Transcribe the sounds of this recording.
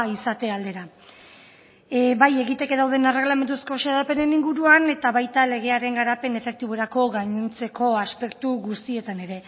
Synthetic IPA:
isat̪e̞ald̪e̞ɾa | βaje̞ɣit̪e̞ke̞ðawðe̞ne̞re̞ɣlame̞nd̪usko̞ʃeðape̞ne̞niŋɡuɾuane̞t̪aβajt̪ale̞ɣ̞e̞aɾe̞ŋɡaɾape̞ne̞fe̞k̚t̪iβoeɾako̞ɣaɲunt͡se̞ko̞aspe̞kt̪uɣust̪ie̞t̪ane̞ɾe̞

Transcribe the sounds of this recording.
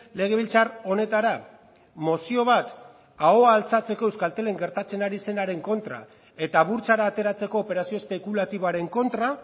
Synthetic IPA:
le̞ɣ̞e̞βilt͡saro̞ne̞t̪aɾa | mo̞sio̞β̞at̪ | ao̞aːlt͡sat͡se̞ko̞ewskalt̪e̞le̞ŋɡe̞ɾt̪at͡se̞naɾise̞naɾe̞ŋko̞nt̪ɾa̰ | e̞t̪aβuɾt͡saɾaːt̪e̞ɾat͡se̞ko̞ːpe̞ɾasio̞espe̞kulat̪iβoaɾe̞ŋko̞nt̪ɾa

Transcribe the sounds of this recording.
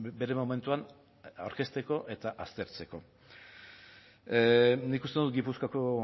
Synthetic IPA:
be̞ɾe̞mome̞nt̪uan | a̰wɾke̞st̪e̞ko̞ʔe̞t̪aʔast̪e̞ɾt͡se̞ko̞̰ | nikust̪enut̪ɡipuskako̞

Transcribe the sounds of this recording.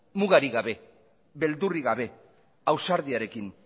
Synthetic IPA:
muɣaɾiɣaβe̞ | βe̞ld̪uriɣaβe̞ | awsaɾðiaɾe̞kin

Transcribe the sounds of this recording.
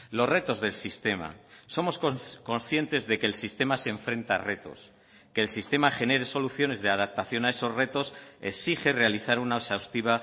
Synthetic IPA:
lo̞zre̞t̪o̞zðe̞lsist̪e̞ma̰so̞mo̞skko̞nsθje̞nt̪e̞zðe̞ke̞ːlsist̪e̞maseːɱfɾe̞nt̪are̞t̪o̞̰s | ke̞ːlsist̪e̞maχe̞ne̞ɾe̞so̞luθjo̞ne̞zðe̞að̞ap̚t̪aθjo̞nae̞so̞zre̞t̪o̞sḛsixe̞re̞aliθaɾunaosawst̪iβ̞a

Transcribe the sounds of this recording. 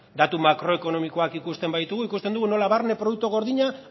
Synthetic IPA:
d̪at̪umakɾo̞e̞ko̞no̞miko̞akikust̪e̞mbajt̪uɣuikust̪end̪uɣuno̞laβaɾne̞pɾo̞ðuk̚t̪oɣ̞o̞ɾðiɲa

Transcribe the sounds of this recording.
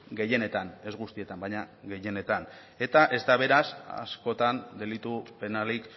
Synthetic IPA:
ɡe̞je̞ne̞t̪ane̞zɣust̪ie̞t̪ambajɲaɣe̞je̞ne̞t̪an | e̞t̪aʔe̞zd̪aβe̞ɾasa̰sko̞t̪and̪e̞lit̪upe̞nalik

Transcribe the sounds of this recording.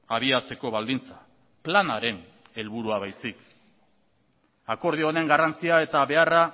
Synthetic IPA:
aβ̞iat͡se̞ko̞βald̪int͡sḁ | planaɾe̞n | e̞lβuɾuaβajsik | ako̞ɾð̞io̞ne̞ŋɡarant͡siae̞t̪aβe̞ara

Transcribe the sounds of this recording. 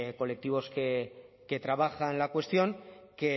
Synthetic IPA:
ko̞le̞k̚t̪iβ̞o̞ske | ke̞t̪ɾaβ̞axanlakwe̞st̪jo̞ŋke

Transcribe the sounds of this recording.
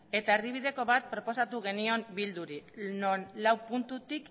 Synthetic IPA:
et̪aeɾðiβ̞iðe̞ko̞βat̪̚pɾo̞po̞sat̪uɣe̞nio̞mbild̪uɾinonlawpunt̪ut̪ik

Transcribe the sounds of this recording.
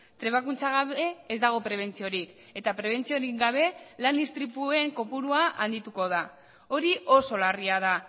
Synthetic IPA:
t̪ɾe̞β̞akunt͡saɣ̞aβe̞ːzd̪aɣ̞o̞pɾe̞β̞e̞nt͡sio̞ɾik | e̞t̪apɾe̞β̞e̞nt͡sio̞ɾiŋɡaβ̞e̞land̪ist̪ɾipue̞ŋko̞puɾuaʔa̰nd̪it̪uko̞ð̞a | o̞ɾiʔo̞so̞lariað̞a

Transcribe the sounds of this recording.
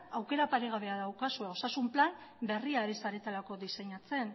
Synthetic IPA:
awke̞ɾapaɾe̞ɣ̞aβ̞e̞aðawkasueo̞sasumplambe̞riaɾesaɾe̞t̪alako̞ðise̞ɲat͡se̞n

